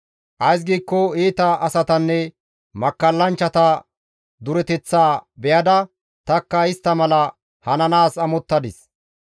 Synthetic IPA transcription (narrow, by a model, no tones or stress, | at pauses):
ʔɐjs̬ɡiːkːɔeːt̪ɐʔɐsɐt̪ɐnːɛ | mɐkːɐlːɐnt͡ʃːɐt̪ɐ | d̪ʊɾɛt̪ɛt͡sːaːbɛjɐd̪ɐ | t̪ɐkːɐɪst̪ːɐmɐlɐ | hɐnɐnaːsɐmɔt̪ːɐd̪ɪs